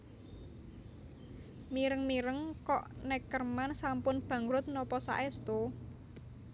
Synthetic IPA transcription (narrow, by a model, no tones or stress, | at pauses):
miɾəŋmiɾəŋkɔʔnɛkərmansampʊnb̥ä̤ŋɾʊt̪̚nɔpɔsa̰ʔɛst̪o